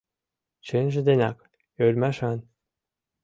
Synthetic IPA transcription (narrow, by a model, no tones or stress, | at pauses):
t͡ɕenʲʒɘ̆d̪enʲɑk | ølʲmæʃɑn